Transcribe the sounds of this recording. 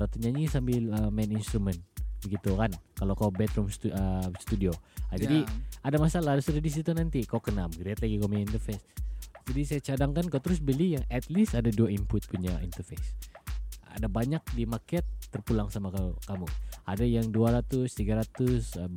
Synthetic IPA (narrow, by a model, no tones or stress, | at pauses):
ɾat̪uɲaɲisambɪləmɛninst̪ɾumɛnt̪̚bəɡit̪ukankalakaubɛt̪ɾumst̪uəsə̥t̪udioad͡ʒadiadamasalahaɾʊsudadis̬it̪unant̪ikaukənaməɡɾiat̪̚laɡikaomuɲint̪ərfesd͡ʒadisajat͡ʃadaŋkankaut̪əɾʊs̬bəlijaŋɛt̪list̪adaduaimpʊt̪̚puɲaʔḭnt̪ərfes | a̰dabaɲak̚dimakɛt̪ːərpulaŋsamakakamuadajaŋduaɾat̪ʊst̪iɡaɾat̪ʊs